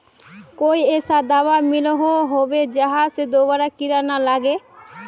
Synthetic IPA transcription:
kojesad̪abamiloɦoɦobed͡ʑaɦased̪obaɾakiɾanalaɡe

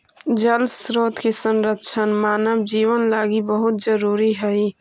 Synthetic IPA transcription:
d͡ʒəlsɾoːt̪kesənɾət̪ːt͡ʃʰənmaːnəbd͡ʒiwənlaɡibəɦut̪̚d͡ʒəɾuɾiɦəi

